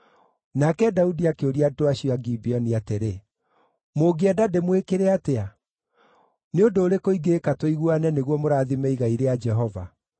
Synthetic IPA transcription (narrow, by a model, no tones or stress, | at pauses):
nakɛdaudiakeoɾiadoaɕiaɡibiɔniateɾe | moɡeɛdademwekeɾɛatea | neondoːɾekoiɡekatwoiɣwanɛneɣwɔmoɾaːðimɛiɣaiɾead͡ʒɛɦɔva̰